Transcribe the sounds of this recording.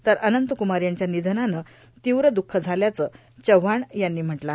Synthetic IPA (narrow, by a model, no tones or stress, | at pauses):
t̪əɾənənt̪əkumaɾjaɲt͡ɕjanid̪ʱənanə | t̪iwɾəd̪ukʰːəd͡zʱaljat͡sə | t͡ɕəʋaɳjanːiːm̤əʈla